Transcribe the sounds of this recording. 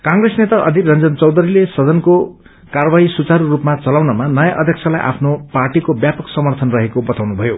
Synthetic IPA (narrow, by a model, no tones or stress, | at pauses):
kãŋɡɾesnet̪aʔʌd̪ʱirʌnd͡zʌnt͡sʌwd̪ʌɾilesʌd̪ʌnko | karbaisut͡saɾurupmat͡sʌlawnʌmanʌjaʔʌd̪ʱjʌkt͡sʰʌlajʔa̰pʰnoparʈikobjapʌksʌmʌrt̪ʰʌnrʌɦekobʌt̪awnubʱʌjo